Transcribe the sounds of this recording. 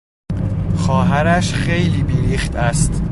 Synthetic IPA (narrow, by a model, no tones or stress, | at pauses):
xɒːɦæɾæʃχe̞jliːbiːɾiːxt̪æst̪